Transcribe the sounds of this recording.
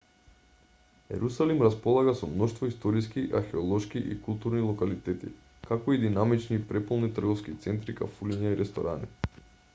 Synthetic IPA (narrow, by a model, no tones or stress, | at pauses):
ɛ̰ɾusalimɾaspɔlˠaɡasɔmnɔʃt̪vɔist̪ɔɾiskiʔa̰ɾxɛɔlˠɔʃkiʔḭkulˠt̪uɾnilˠɔkalit̪ɛt̪ḭ | kakɔid̪inamit͡ʃnipɾɛpɔlˠnit̪r̩ɡɔfskit̪sɛnt̪ɾika̰fuliɲaiɾɛst̪ɔ̰ɾʔa̰nḭ